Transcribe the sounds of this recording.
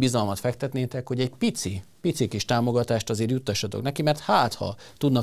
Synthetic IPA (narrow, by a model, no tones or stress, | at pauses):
bizɒlmɒt̪fɛk̚t̪ɛt̪neːt̪ɛkho̞ɟɛɟpit̪si | pit̪sikiʃt̪aːmo̞ɡɒt̪aːʃt̪ɒzeːrjut̪ːɒʃːɒt̪oknɛkimɛrt̪haːt̪hɒ̰ | t̪ud̪nɒ